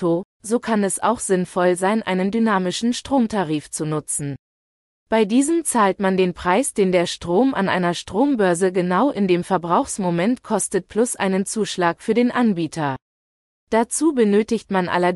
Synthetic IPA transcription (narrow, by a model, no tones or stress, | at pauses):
o | zoːkʰanɛsa̰ʊxz̥ɪnfɔlzaɪnʔa̰ɪnəndynaːmɪʃn̩ʃtʁ̥oːmtʰaʁiːft͡sunʊt͡sn̩ | b̥aɪdiːzəmt͡saːltmandeːnpʁ̥aɪsd̥eːndeːɐʃtʁ̥oːma̰nʔa̰ɪnɐʃtʁ̥oːmbœɐzəɡənaʊʔɪndeːmfɛɐbʁaʊxsmomɛntkʰɔstət̚plʊsʔa̰ɪnənt͡suːʃlaːkfyːɐdeːnʔanbiːtʰɐ | d̥at͡suːbənøːtɪçtmanʔa̰lɐ